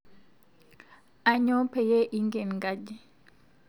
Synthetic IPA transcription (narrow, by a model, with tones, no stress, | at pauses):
a˨ɲɔ˦pɛ˨jɛ˦ʔi˦ŋɡe˨nŋɡad͡ʒi˦